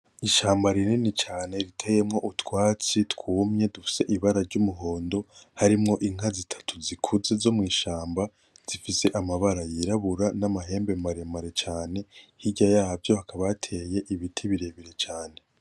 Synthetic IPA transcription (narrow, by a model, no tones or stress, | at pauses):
iʃaːmbaɾininit͡ʃaːne̞ɾitʰejemŋo̞ʔutwaːt͡sitkuːmɲe̞dufi̥se̞ʔiβaɾaɾɟumuɦo̞ːndo̞haɾimŋo̞ʔiŋ̥azitʰḁtʰuzikʰuze̞zo̞mŋiːʃaːmba | z̥ifise̞ʔamaβaɾajiɾaβuɾanamaɦe̞ːmbe̞maɾemaɾet͡ʃaːne̞hiɟajahavjo̞hakaβaatʰe̞ːje̞ʔiβitʰiβiɾe̞βiɾe̞t͡ʃaːne̞